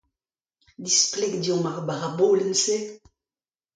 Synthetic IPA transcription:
d̪isplɛkd̪jɔmaʁbaʁabolənse

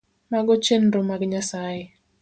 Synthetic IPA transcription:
maɡɔt͡ʃenɾomaɡɲasaje

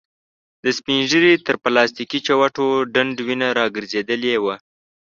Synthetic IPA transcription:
d̪̥əspinʒəɾit̪əɾplɑst̪ikit͡ʃawaʈoɖaɳɖwinaɾɑɡəɾzed̪əlewa

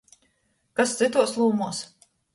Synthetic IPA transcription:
kast̪sit̪uɔslˠuːmuɔs

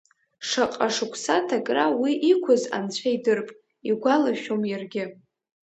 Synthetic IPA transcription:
ʂaqʼaʂɨkʷʰsatʰakʼrawiʔikʷʰʊza̰nt͡ɕʷʰaidɨrpʼ | iɡʷalaʃᶣomjarɡʲɪ

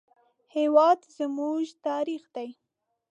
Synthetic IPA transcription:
hewɑd̪zəmuʒt̪ɑɾixd̪aj

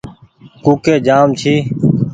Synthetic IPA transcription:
kuːkeːd͡ʒaːmt͡ʃʰiː

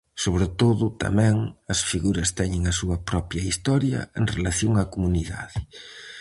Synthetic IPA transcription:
soβɾet̪oðʊt̪a̰mɛ̃ŋɐsfiɣuɾɐst̪ɛɲɪŋɐsuɐpɾɔpjɐist̪ɔɾjɐ̰ḛŋrelaθjoŋɐkomuniða̰ðɪ

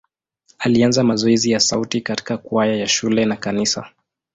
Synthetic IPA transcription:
alianzamazɔɛzijasautikati̥kakuajajaʃulɛnakanisa̰

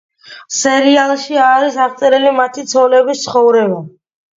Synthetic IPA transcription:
sɛɾialˠʃiaːɾisaχt̪sʼɛɾɛlimat̪ʰit̪sʰɔlɛbist̪sχɔvɾɛba

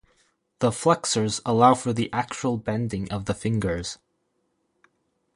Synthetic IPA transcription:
ðəflɛksə˞zəlaʊfə˞ðiʔæk̚t͡ʃul̩ˠbɛ̃ndɪ̃ŋʔʌvðəfɪ̃ŋɡə˞z̥

